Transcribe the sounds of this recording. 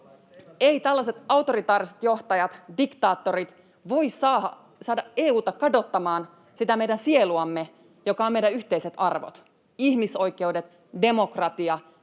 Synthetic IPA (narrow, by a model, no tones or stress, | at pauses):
e̞it̪ælːɑse̞t̪ɑwt̪o̞ɾit̪ɑːɾiset̪jo̞ht̪ɑjɑt̪dikt̪ɑːt̪ːo̞ɾit̪ | ʋo̞issɑːhɑ | sɑːdɑeːuːt̪ɑkɑdo̞t̪ːɑmɑːn | sit̪æme̞jdænsie̞luɑmːe | jokɑome̞jdæyçt̪e̞ijset̪ɑrʋo̰t̪ | içmiso̞jk̟e̞wde̞t̪ | de̞mo̞krɑt̪iɑ